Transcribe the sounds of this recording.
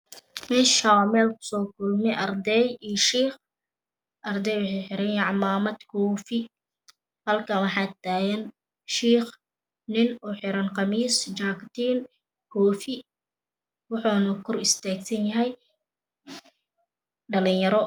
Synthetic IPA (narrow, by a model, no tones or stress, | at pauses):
mɛːʃamɛːlkʰʊ̥sɔːkʰʊlmɛʔɐrd̪ɛjijʃiːχ | ʔɐrd̪ɛjwɑħɛjħɪɾɐnjʕɑmaːmɐd̪kʰɔːfɪ | hɐlkʰɐwɑħɑːt̪aːjɛn | ʃiːχ | nɪnʊħɪɾɐnqɑmiːst͡ʃaːkt̪ʰiːn | kʰɔːfɪ | wɑħuːnɐkʰʊrɪst̪ʰaːɡsɐnjɐɦɛj | ɖɐlɪnjɐɾɔ